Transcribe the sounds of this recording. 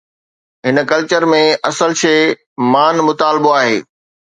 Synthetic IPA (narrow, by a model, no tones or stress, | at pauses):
ɦɪnəkɐlt͡ɕəɾmẽʔɐsəlʃeː | maːnmʊt̪aːlboaːɦeː